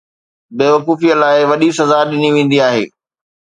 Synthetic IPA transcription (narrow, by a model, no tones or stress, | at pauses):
beːʋɐkuːfijəlaːɪʋɐɗisɐzaɗɪniʋẽːn̆d̪iaːɦḛː